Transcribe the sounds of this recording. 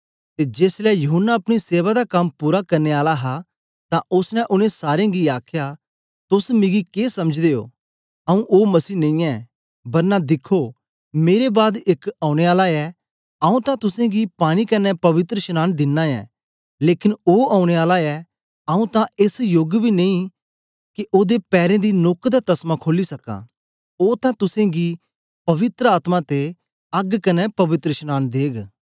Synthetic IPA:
t̪ed͡ʒeːslɛjɐɦʊnːaɐpɽ̃iseːʋad̪akɐmpuːɾakɐɾneaːlaɦa | t̪ãʔʊsnɛ̃ʔʊnẽsaːɾjẽɡiaːkʰja | t̪ʊsmɪ̃ɡikeːsɐməd͡ʒd̪eːo̰ː | ɐũʔoːmɐsiːnɐ̃ĩɛ | bɐɾnad̪ɪkʰːo | meːɾebaːd̪ɪkaːʊ̃ɽ̃eaːlaɛ | aũt̪ãt̪ʊsẽɡipaːɽ̃ikɐnɛpɐʋɪt̪ɾəʃnaːnd̪ɪnːãɛ̰ː | leːkɪnoːaːʊɽ̃eaːlaɛ | aːũt̪ãɪsjoɡbʱiːneĩ | kiʔoːd̪epɛːɾẽd̪inoːkd̪at̪ɐsmãkʰoːlisɐkã̰ː | oːt̪ãt̪ʊsẽɡiː | pɐʋɪt̪ɾəaːt̪mãt̪e | ɐɡkɐnɛpɐʋɪt̪ɾəʃənaːnd̪eːɡ

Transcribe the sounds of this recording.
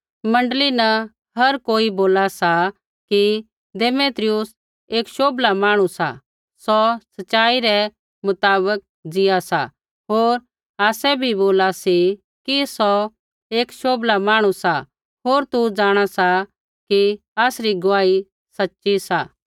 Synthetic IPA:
mɐ̃ɳɖlinɐ | ɦɐɾkoːiboːlasa | ki | d̪eːmeːt̪ɾɪjʊs | eːkʃoːblamaːɽ̃usa̰ | sɔsɐʃaːiɾɛ | mʊt̪aːbək̚ | d͡zɪjasa̰ | ɦoːɾ | aːsɛbʱiboːlasi | kisɔ | eːkʃoːblamaːɽ̃usa | ɦoːɾt̪ud͡zaːɽ̃asa | ki | aːsɾiɡʊʋaːi | sɐtːʃisaː

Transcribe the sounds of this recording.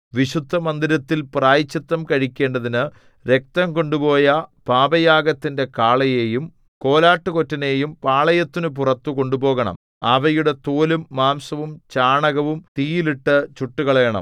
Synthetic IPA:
ʋiɕud̪ʱːɐmɐnd̪iɾɐt̪ːilpraːjit͡ɕːit̪ːɐmkɐɻikʲːe̞ːɳɖɐðinɨ | ɾe̞k̚t̪ɐmko̞ɳɖupo̞ːjɐpaːbɐjaːɡɐt̪ːinde̞kaːɭɐje̞ːjum | ko̞ːlaːʈːɨko̞tːɐne̞ːjumpaːɭɐjɐt̪ːinupurɐt̪ːuko̞ɳɖupo̞ːɣɐɳɐ̰m | aʋɐjuɽe̞t̪oːlumːaːmsɐʋumt͡ɕaːɳɐɣɐʋumt̪iːjiliʈːɨt͡ɕuʈːuɣɐɭeːɳɐ̰m

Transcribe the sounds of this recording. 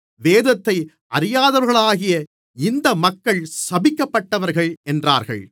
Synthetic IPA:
ʋeːðɐt̪ːɐɪ | ʔɐɾɪjaːðɐʋɾɣɐɭaːɣɪjɐ | ɪnd̪ɐmɐkːɐɭsɐbɪkːɐpːɐʈːɐʋɐɾɣɐɭɛndra̰ːɾɣɐ̰ɭ

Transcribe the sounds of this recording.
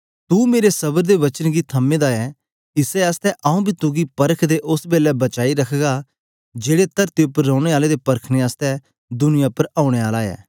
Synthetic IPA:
t̪uːmeːɾesɐbəɾd̪eʋɐt͡ʃənɡit̪ʰɐmːẽːd̪aɛː | ɪseaːst̪ɛʔaũbʱiːt̪ʊɡipɐɾəkʰd̪eʔʊsbeːlɛbɐt͡ʃaːiɾɐkʰɡa | d͡ʒeːɽet̪ɐɾt̪eʊpːəɾːɔ̃ːɽ̃eaːled̪epɐɾkʰneaːst̪ɛ | d̪ʊnɪjapəɾãːʊɽ̃eaːlaɛ̰ː

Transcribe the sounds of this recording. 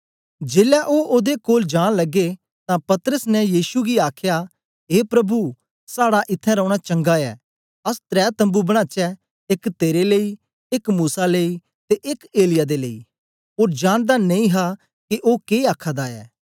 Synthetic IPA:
d͡ʒeːlɛʔoːʔoːd̪ekoːld͡ʒaːɽ̃lɐɡe | t̪ãpɐt̪əɾəsnɛjiːsuɡiaːkʰja | ɦeːpɾɐbu | saːɽaʔɪt̪ʰːɛ̃ɾɔ̃ʊɽ̃at͡ʃɐ̃ŋɡaɛ̰ː | ɐst̪ɾɛːt̪ɐ̃mbubɐɽ̃ãːt͡ʃɛ | ɪkt̪eːɾeləi | ɪkmuːsalei | t̪eʔɪkeːlɪjad̪eləḭː | oːɾd͡ʒaːɽ̃d̪anɐ̃ĩɦa | keʔoːkeːaːkʰad̪aɛ̰ː

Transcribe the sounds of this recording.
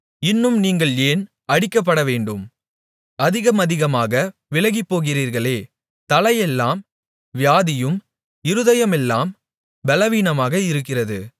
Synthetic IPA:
ɪnːɯmniːŋɡɐɭeːn | ɐɽɪkːɐp̬ːɐɽɐʋeːɳɖɯm | ɐðɪɣɐmɐðɪɣɐmaːɣɐʋɪlɐɣɪpːoːɣɪriːɾɣɐɭeː | t̪ɐlɐjɛlːaːm | ʋɪjaːðɪjɯm | ɪɾɯðɐjɐmɛlːaːm | bɛlɐʋiːnɐmaːɣɐɪɾɯk̬ːɪrɐðɯ

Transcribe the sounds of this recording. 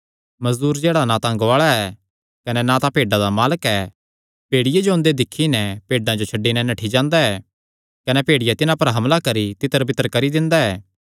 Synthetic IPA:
mɐzd̪uːɾd͡ʒeːɽanãt̪ãŋɡʋaːɭaɛ | kɐnɛnat̪apeːɖãd̪amaːləkɛː | peːɽɪjed͡ʒoʊ̃nd̪ed̪ɪkʰːinɛpeːɖãd͡ʒot͡ʃʰɐɖːinɛnɐʈʰid͡ʒãːnd̪aɛː | kɐnɛpeːɽɪjat̪ɪnãpɐɾɦɐmlakɐɾit̪ɪt̪əɾbɪt̪əɾkɐɾid̪ɪ̃nd̪aɛː

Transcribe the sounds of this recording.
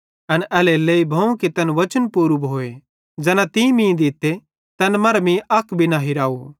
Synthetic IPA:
ɐnɛːleleːibʱɐ̃ũket̪ɐnʋɐt͡ʃənpuːɾubɦoːe | d͡ʒɛːnãt̪ĩmĩːd̪ɪt̪ːe | t̪ɐnmɐɾmĩʔɐkʰbʱinaɦiɾaːu

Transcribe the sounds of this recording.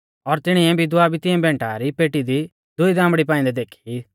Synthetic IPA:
ɔɾt̪ɪɽ̃iɛ̃bʱid̪ʊaːbʱit̪ɪɛ̃bɛ̃ːɳʈaɾipeːʈid̪i | d̪ʊid̪ãːmbɽip̬ãːĩnd̪ɛd̪eːkʰi

